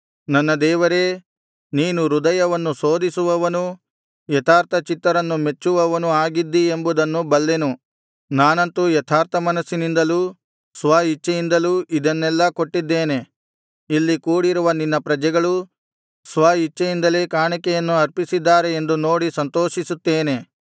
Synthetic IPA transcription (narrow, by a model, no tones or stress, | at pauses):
nɐnːɐd̪ɛːʋɐɾe̞ | niːnuɾud̪ɐjɐʋɐnːuso̞ːd̪isuʋɐʋɐnu | jɐt̪ʰaːɾt̪ʰɐt͡ʃit̪ːɐɾɐnːume̞t͡ʃːuʋɐʋɐnuaːɡid̪ːie̞mbud̪ɐnːubɐlːenu | naːnɐnt̪ujɐt̪ʰaːɾt̪ʰɐmɐnɐsːinind̪ɐluː | sʋaːɦit͡ʃːɐjind̪ɐluːʔid̪ɐnːɛlːɐko̞ʈːid̪ːeːne̞ | ilːikuːɽiɾuʋɐninːɐpɾɐd͡ʒɛɡɐɭu | sʋaːɦit͡ʃːɐjind̪ɐle̞ːkaːɳikɛjɐnːuɐɾpisid̪ːaːɾeend̪uno̞ːɽisɐnt̪o̞ːʃisut̪ːeːne̞